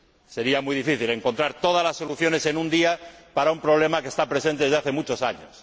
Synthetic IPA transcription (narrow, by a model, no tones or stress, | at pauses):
se̞ɾiamuijðifiθile̞ŋko̞nt̪ɾaɾt̪o̞ð̞alasːo̞luθjo̞ne̞se̞nũnd̪iapaɾaumpɾo̞β̞le̞makest̪apɾe̞sent̪eezðaθe̞mut͡ʃo̞saɲos